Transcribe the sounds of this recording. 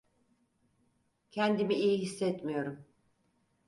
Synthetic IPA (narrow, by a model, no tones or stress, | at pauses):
cʰɛnd̪imiijiɦisːɛt̪mijo̞ɾum